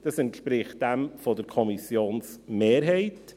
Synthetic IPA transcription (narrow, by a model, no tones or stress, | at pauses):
d̥əsənkʰb̥ɾɪːχdɛmfɔdərkʰɔmisjoːnsmeːrɦejtʰ